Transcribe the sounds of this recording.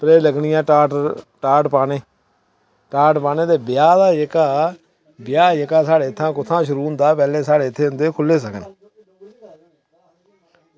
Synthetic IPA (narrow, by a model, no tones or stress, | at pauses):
pɾeːləɡɳɪjãːʈaː | ʈaːʈpaːneː | ʈaːʈpaːneːd̪eːbɪjaːd̪aːjekaː | bɪjaːjəkaːsaːɽeːt̪ʰːãːkʊt̪ʰːãːʃʊɾuːnd̪aːpɛːleːsaːɽeːɪt̪ʰːeːʊnd̪eːkʰʊlːeːsəkən